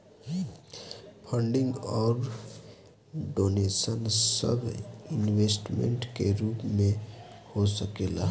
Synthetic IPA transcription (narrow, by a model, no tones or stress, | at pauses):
pʰəɳɖɪ̃ŋɡɔːɾ | ɖoːneːsənsə̰bʱinwesʈmḛ̃ɳʈkeɾuːpmẽhosəkela